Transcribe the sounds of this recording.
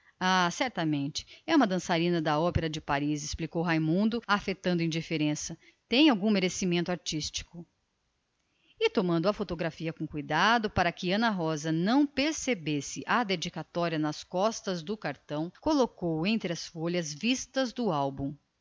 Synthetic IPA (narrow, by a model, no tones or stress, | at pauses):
asɛɾt̪ɐmẽnt͡ʃɪ̥ɛũmɐd̪ɐ̃saɾĩnɐd̪ɐɔpeɾɐd͡ʒɪpaɾizɪsplikowɦajmũnd̪ʊafet̪ɐ̃nd̪ʊĩd͡ʒifeɾẽsɐ | t̪ẽj̃awɡũmeɾesimẽnt̪ʊaɾt͡ʃist͡ʃi̥kʊ | ɪt̪omɐ̃nd̪ʊɐfot̪oɡɾafiɐkõkujd̪ad̪ʊpaɾɐkɪɐ̃nɐɦɔzɐnɐ̃w̃peɾsebesɪʔɐd̪ed͡ʒikat̪ɔɾiɐnɐskɔst̪ɐzd̪ʊkaɾt̪ɐ̃w̃kolokowẽnt̪ɾɪɐsfoʎɐzvist̪ɐzd̪ʊawbũ